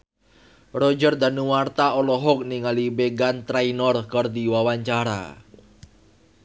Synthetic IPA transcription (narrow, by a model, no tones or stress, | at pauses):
rɔd͡ʒərd̪anuwart̪aɔlɔɦɔk̚niŋalibeɡant̪ɾainɔrkərd̪iwawaɲt͡ʃaɾa̰